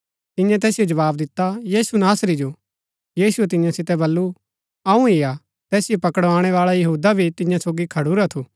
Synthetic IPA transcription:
t̪ɪ̃jãt̪ɛːsijod͡ʒɐʋaːbd̪ɪt̪ːajiːsunaːsɾid͡ʒo | jiːsuɛt̪̬ɪ̃jãsɪt̪ɛbɐlːu | ɐũija | t̪ɛːsɪjopɐkəɽʋaːɽ̃ɛʋaːɭajɐɦuːd̪abʱit̪ɪ̃jãsoːɡikʰɐɽuɾat̪ʰuː

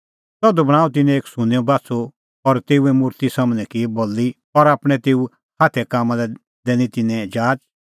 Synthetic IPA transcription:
sɔd̪obɐɽ̃ãːut̪̬ɪnɛ̃eːksʊneːõbaːso | ɔɾt̪eːuɛmʊɾt̪isamnɛ̃kibolːi | ɔɾaːpɽ̃ɛt̪eːu | haːt̪ʰɛkaːmãlɛ | d̪ɛːñĩt̪ɪnːɛ̃d͡ʒaːt͡ʃ

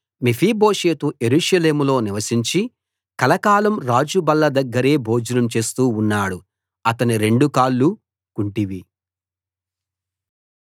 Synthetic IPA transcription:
mipʰiːbo̞ːʂe̞ːt̪uʔe̞ɾuːʂɐle̞ːmulo̞ːniʋɐsiɲt͡ʃi | kɐlɐkaːlɐmɾaːd͡ʒubɐlːɐd̪ɐɡːɐɾe̞ːbʱo̞ːd͡ʒɐnɐmt͡ʃe̞ːst̪uːunːaːɽu | ɐt̪ɐniɾe̞ɳɖukaːlːu | kuɳʈiʋi

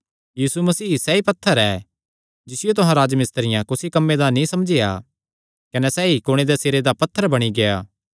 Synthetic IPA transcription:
jiːsumɐsiːsɛipɐt̪ʰːəɾɛː | d͡ʒɪsɪjot̪ʊɦãɾaːd͡ʒmɪst̪əɾɪjãkʊsikɐmːed̪anĩsɐmd͡ʒɪja̰ː | kɐnɛsɛikoɽ̃ed̪ɛseːɾed̪apɐt̪ʰːəɾbɐɽ̃iɡeaː

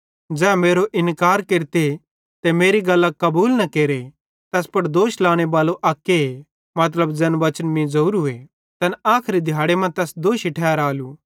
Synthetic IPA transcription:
d͡ʒɛːmeːɾoʔɪnkaːɾkeːɾt̪e | t̪emeːɾiɡɐlːakɐbuːlnɐkeːɾe | t̪ɛːspɐɽd̪oːʃlaːɽ̃eʋaːloʔaːkːee | mɐt̪̬ləbd͡ʒɐnʋɐt͡ʃənmĩzɐuːɾɦʊe | t̪ɐnaːkʰɾid̪ʱjaːɽemɐ̃t̪ɛːsd̪oːʃiʈʰɛːɾaːluː

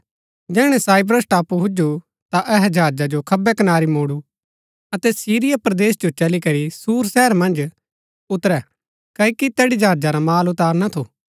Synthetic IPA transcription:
d͡ʒɛːɽ̃ɛsaːɪp̬ɾəsʈaːpuɦʊd͡ʒu | t̪aʔɛɦɛd͡ʒʱaːd͡ʒad͡ʒokʰɐbːɛkɐnaːɾimoːɽu | ɐt̪ɛsiːɾɪjapɾɐd̪eːsd͡ʒot͡ʃɐlikɐɾisuːɾsɛːəɾmɐ̃nd͡ʒ | ʊt̪ɾɛ | kɐikit̪ɛːɽid͡ʒʱaːd͡ʒaɾamaːlʊt̪aːɾnat̪ʰoː

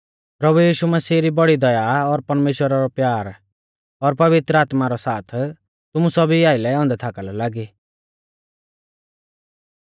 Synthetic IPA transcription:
pɾɐbujiːʃumɐsiːɾibɔɽid̪ɐjaɔɾpɐɾmeːʃwəɾaɾɔpjaːɾ | ɔɾpɐʋɪt̪ɾəaːt̪maɾɔsaːt̪ʰ | t̪ʊmusɔbʱiaːɪlɛɔ̃ːnd̪ɛt̪ʰakalɔlaːɡi

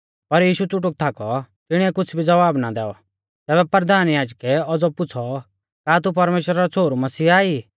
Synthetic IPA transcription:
pɐɾjiːʃut͡sʊʈ̬ʊk̚t̪ʰakɔt̪ɪɽ̃iːɛkʊt͡sʰbʱid͡zɐʋaːbnad̪ɛːɔ̰ | t̪ɛːβɛpɐɾd̪ʱaːnjaːd͡ʒkɛɔd͡zɔpʊt͡sʰɔ | kaːt̪̬up̬ɐɾmeːʃwəɾaɾɔt͡sʰoːɾumɐsiːaːi

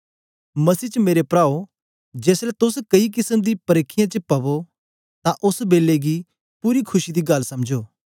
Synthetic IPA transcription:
mɐsiːt͡ʃəmeːɾepɾaːo | d͡ʒeːslɛt̪ʊskɐik̬ɪsəmd̪ipɐɾeːkʰːɪjãt͡ʃəpɐbo | t̪ãʔʊsbeːlːeɡi | puːɾikʰʊʃid̪iɡɐlsɐmd͡ʒoː

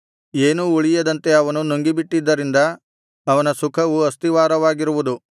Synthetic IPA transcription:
e̞ːnuuɭijɐd̪ɐnt̪e̞ɐʋɐnunuŋɡibiʈːid̪ːɐɾind̪ɐː | ʋɐnɐsukʰɐʋuɐst̪iʋaːɾɐʋaːɡiɾuʋud̪u

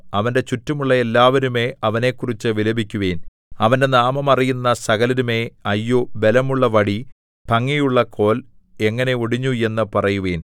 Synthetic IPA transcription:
ɐʋɐnde̞t͡ɕutːɐmuɭːɐe̞lːaːʋɐɾume̞ːɐʋɐne̞ːkːurit͡ɕːɨʋilɐbikʲːuʋeːn | ɐʋɐnde̞naːmɐmɐrijunːɐsɐɣɐlɐɾumeːɐjːobe̞lɐmuɭːɐʋɐɽi | pɐŋːijuɭːɐkʰo̞ːl | e̞ŋːɐne̞oɽiɲːue̞nːɨpɐrɐjuʋe̞ːn

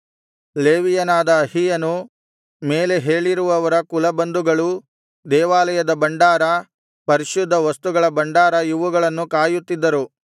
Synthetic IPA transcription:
leːʋijɐnaːd̪ɐːhijɐnu | me̞ːle̞ɦe̞ːɭiɾuʋɐʋɐɾɐkulɐbɐnd̪uɡɐɭu | d̪ɛːʋaːlɐjɐd̪ɐbɐɳɖaːɾɐ | pɐɾiʃud̪ʱːɐʋɐst̪uɡɐɭɐbɐɳɖaːɾɐjiʋuɡɐɭɐnːukaːjut̪ːid̪ːɐɾu

